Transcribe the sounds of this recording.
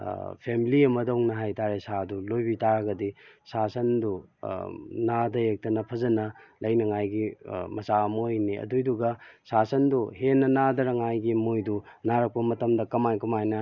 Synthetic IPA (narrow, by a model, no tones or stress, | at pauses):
pʰemiliɐmɐdɐuŋnɐɦajtaɾesadulojbitaɾɐɡɐdisasɐndu | nadɐjek̚tɐnɐpʰɐzɐnɐlʔɐjnɐŋajɡimɐsaɐmɐojniɐ̰dujduɡɐsasɐnduhenːɐnadɐɾɐŋajɡimojdunaɾɐk̚pɐmɐtɐmdɐkɐmajkɐmajnɐ